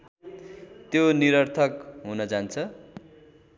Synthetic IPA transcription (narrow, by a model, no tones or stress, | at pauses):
t̪joniɾʌrt̪ʰʌkɦunʌd͡zant͡sʰʌ